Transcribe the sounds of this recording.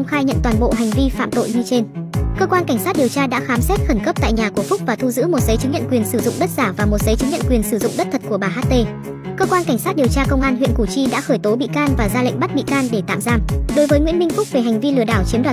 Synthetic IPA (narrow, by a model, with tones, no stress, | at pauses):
ə˧wŋ͡mxaː˧jɲə̰˧˨nt̪waː˨˩nɓo̰˧˨ɦa˨˩jŋ̟vi˧fa̰ː˧˨mt̪o̰˧˨jɲɨ˧t͡ɕe˧nkəː˧kwaː˧nka˧˩ŋ̟sa˦˥t̚ɗi˨˩əwt͡ɕaː˧ɗa̰ː˧˥xaː˨˦msɛ˦˥t̚xə˧˩nkə˦˥p̚t̪a̰ː˧˨jɲaː˨˩ku˧˩əfʊ˦˥k͡p̚vaː˨˩t̪ʰu˧zɨ̰˧˥mo˨˩t̚zə˨˦jt͡ɕɨ˨˦ŋɲə̰˧˨nkwi˨˩ənsɨ˧˩zʊ̰˧˨ŋ͡mɗə˦˥t̚zaː˧˩vaː˨˩mo˨˩t̚zə˨˦jt͡ɕɨ˨˦ŋɲə̰˧˨nkwi˨˩ənsɨ˧˩zʊ̰˧˨ŋ͡mɗə˦˥t̚t̪ʰə˨˩t̚ku˧˩ɓaː˨˩ɦaː˦˥t̚t̪e˧ | kəː˧kwaː˧nka˧˩jŋ̟saː˦˥t̚ɗi˨˩əwt͡ɕaː˧kə˧wŋ͡mʔaː˧nɦwḭ˧˨ənku˧˩t͡ɕi˧ɗa̰ː˧˥xəː˧˩jt̪o˨˦ɓḭ˧˨kaː˧nvaː˨˩zaː˧lḭ˧˨ŋ̟ɓa˦˥t̚ɓḭ˧˨kaː˧nɗe˧˩t̪a̰ː˧˨mzaː˧mɗo˨˦jvəː˨˦jŋwḭ˧˥əmï˧ŋ̟fʊ˦˥k͡p̚ve˨˩ɦɛ˨˩ŋ̟vi˧lɨ˧˩əɗaː˧˩wt͡ɕi˨˦ənɗwaː˨